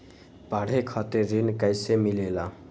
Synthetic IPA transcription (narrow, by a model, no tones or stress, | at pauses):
paɽ̤ekʰɔt̪eɾinkəjsemilela